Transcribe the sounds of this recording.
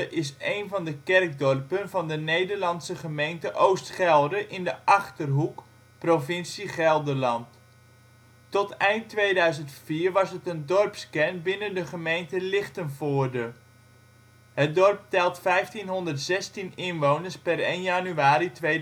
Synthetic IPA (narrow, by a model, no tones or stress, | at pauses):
əʔɪsejnvɑndəkɛrk̚dɔrpənvɑndənejdəɹlɑnsəχəmejntəʔowstχɛlˠdəʔɪndəʔɑχtərɦuk | provɪnsiχɛlˠdəlɑnt | tɔtɛjnttʋejdœɥzəntfiːɹʋɑsətəndɔrpskɛnbɪnəndəχəmejntəlɪχtənfʊːɹdə | ɦət̚dɔrp̚tɛlˠtfɛjftinɦɔndərtzɛstinɪnʋownəɹspɛɾejnjanyaːɾitʋe